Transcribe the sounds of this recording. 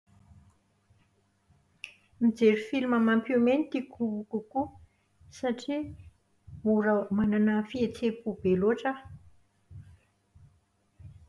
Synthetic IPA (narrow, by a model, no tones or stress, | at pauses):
mid͡zeɾifilimamampumenit̪ikʰubukuku | saʈ͡ʂi | muɾəmananəfiet͡sepub̥eloʈ͡ʂa